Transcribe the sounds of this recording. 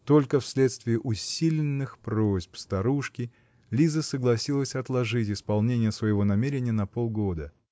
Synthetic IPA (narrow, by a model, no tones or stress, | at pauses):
t̪o̞lʲkəfsʲlʲe̞t̪st̪vʲɪːʔʊsʲilʲɪnːɨxpɾo̞zʲpst̪ɐɾuʂkʲɪ | lʲizəsəɡlˠɐsʲilˠəsʲɐt̪lˠɐʐɨtʲɪspɐlˠnʲenʲɪjəsvəjɪvo̞nɐmʲeɾʲɪnʲɪjənɐpo̞lˠɡo̞d̪ə